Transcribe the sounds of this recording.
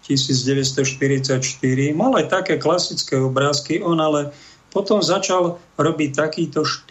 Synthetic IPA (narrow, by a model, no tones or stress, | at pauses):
cisiːd͡zɟɛʋɛst̪ɔʃt̪iɾit͡sacʃt̪iɾimalajt̪akɛːklasit͡skɛɔbɾaːskiʔɔnalɛ | pɔt̪ɔmzat͡ʃal | ɾɔbic̚t̪akiːt̪ɔʃ